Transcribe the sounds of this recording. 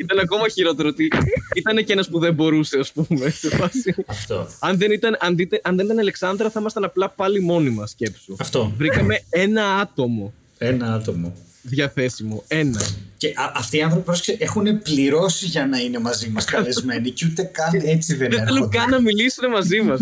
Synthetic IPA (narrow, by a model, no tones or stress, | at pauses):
it̪ɐnɐko̞mɐçiɾo̞t̪eɾoot̪iit̪ɐne̞ce̞nɐspuðembo̞ɾuse̞ɐspume̞efɐsiɐft̪o̰ɐnðe̞nit̪ɐnʔɐnðit̪eʔɐnðe̞nit̪ɐnɐleksɐnd̪ɾɐθɐimɐst̪ɐnɐplɐpɐlimo̞nimɐsce̞psuɐft̪ovɾikɐme̞e̞nɐɐt̪o̞mo̞ | enɐɐt̪omo̰ | ðʝɐθe̞simo̞e̞nɐceʔɐɐft̪iːɐnθɾo̞pipɾoskseʔexune̞pliɾo̞siʝɐnɐine̞mɐzimɐskɐlezme̞niceut̪ekɐnet͡siðenðeθelukɐnːɐmilisunemɐzimɐs